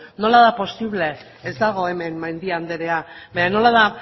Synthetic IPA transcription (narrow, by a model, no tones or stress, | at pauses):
no̞laðapo̞siβle̞ː | zd̪aɣ̞o̞e̞me̞nmajnd̪iand̪e̞ɾe̞abaɲano̞laða